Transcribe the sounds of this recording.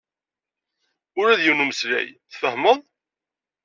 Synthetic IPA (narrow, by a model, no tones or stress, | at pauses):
ʊɾæðjuwnumsɾæ̰jθfəhməðˤ